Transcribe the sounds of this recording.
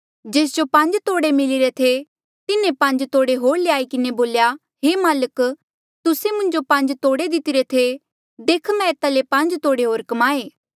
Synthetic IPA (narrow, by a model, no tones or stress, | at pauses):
d͡ʒeːs̬d͡ʒopɐ̃ɲd͡ʒt̪oːɽemɪlɪɾet̪ʰe | t̪ɪnẽpɐ̃ɲd͡ʒt̪oːɽeɦoːɾleaːikɪneboːlja | ɦeːmaːlək | t̪ʊsemʊ̃nd͡ʒopɐ̃ɲd͡ʒt̪oːɽed̪ɪt̪ɪɾet̪ʰe | d̪eːkʰmɛ̃eːt̪alepɐ̃nd͡ʒt̪oːɽeɦoːɾkɐmaːeː